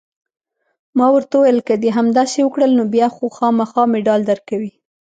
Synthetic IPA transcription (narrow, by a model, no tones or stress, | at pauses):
mɑwəɾt̪awajəlkad̪eɦamd̪asewəkɽəlnobjɑxoxɑmaxɑmɪɖɑld̪əɾkawi